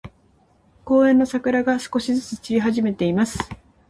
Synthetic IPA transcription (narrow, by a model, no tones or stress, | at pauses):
ko̞ːẽ̞nːo̞sakɯ̟ɾaɡasɨ̥ko̞ɕizɨt͡sɨt͡ɕiɾʲiɦaʑime̞t̪e̞imasɨ̥